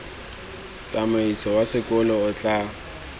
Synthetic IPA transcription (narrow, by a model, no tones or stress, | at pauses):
t͡sʼamʊisɔwasɪkʼʊlɔʊt͡ɬʼa